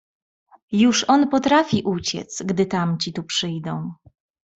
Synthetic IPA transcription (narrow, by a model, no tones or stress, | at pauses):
juʂɔnpɔt̪ɾafʲiʔut͡ɕɛ̰t̪sɡd̪ɘt̪amt͡ɕit̪upʂɘjd̪ɔ̃w̃